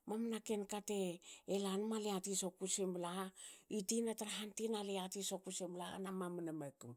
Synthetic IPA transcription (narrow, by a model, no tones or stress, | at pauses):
mamnakenkateːlanmaleatisokusemblaitinataɾaɦantinaleatisokusemblaa̰namamunamakum